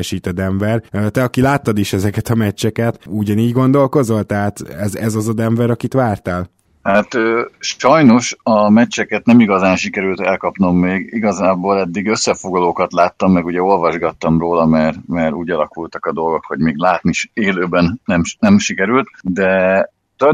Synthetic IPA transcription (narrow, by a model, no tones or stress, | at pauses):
ɛʃiːt̪ɛd̪ɛɱbɛrt̪ɛɒkilaːt̪ːɒd̪iʃɛzɛkɛt̪ɒmɛt͡ʃːɛkɛt̪uɟɒniːɟɡo̞nd̪o̞lko̞zo̞lt̪ɛɦaːt̪ɛzɛzɒzɒd̪ɛɱmvɛɾɒkit̪ʋaːrt̪aːl | hat̪øːʃɒjno̞ʃɒmɛt͡ʃːɛkɛt̪nɛmiɡɒzaːnʃikɛɾylt̪ɛlkɒpno̞mːeːɡiɡɒzaːboːlɛd̪ːiɡø̞sːɛfoɡlɒloːkɒt̪laːt̪ːɒmːɛɡuɟɛo̞lvɒʒɡɒt̪ːɒmroːlɒmɛrmɛɾuːɟɒlɒkult̪ɒkɒd̪o̞lɡo̞kho̞ɟmeːɡlaːt̪niʃeːløːbɛnnɛmʃnɛmʃikɛɾylt̪d̪ɛ | t̪o